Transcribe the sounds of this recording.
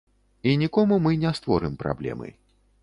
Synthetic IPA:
inʲikɔmumɨnʲɛst̪vɔɾɨmpɾa̰blʲɛ̰mɨ̰

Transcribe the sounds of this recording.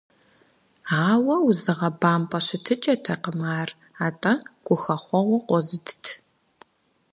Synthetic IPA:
aːwɐwzɨʁɐbaːmpʼɐɕɪtʰɨt͡ʃʼɐtʰɐqəmaːr | aːtʼɐɡ̥ʷʊxɐχʷɔʁʷɔqʷɔzɨdʰtʰ

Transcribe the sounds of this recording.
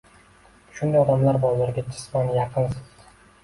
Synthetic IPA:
ʃʊnd̪ajɒd̪amlaɾbɒlaɾɡʲad͡ʒɪsmɒnjɑqʰɨnsɨz

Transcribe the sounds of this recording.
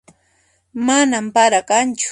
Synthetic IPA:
manampaɾakant͡ʃʊ̥

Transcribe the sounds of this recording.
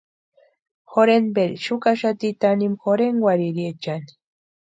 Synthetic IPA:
xoɾenbeɾiʃukaʃat̪it̪animxoɾeŋɡwaɾiɾiet͡ʃani̥

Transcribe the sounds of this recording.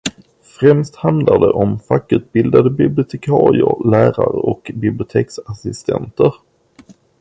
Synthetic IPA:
fɾɛmst̪hand̪laɖ̪ɛʔɔmfakːʉ̟ːt̪̚bɪld̪ad̪əbɪblɪʊt̪ʰɛkʰɑːɾɪə̰ɾlæːɾaɾəɔkbɪblɪʊt̪ʰeːksasɪst̪ʰɛ̰nt̪əɾ

